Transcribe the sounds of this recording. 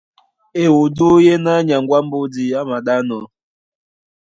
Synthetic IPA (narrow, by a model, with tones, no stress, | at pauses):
e˨wo˨du˦je˦na˦ɲa˨ŋɡʷa˦m̩˦bo˦di˨a˦ma˨ɗa˦nɔ˨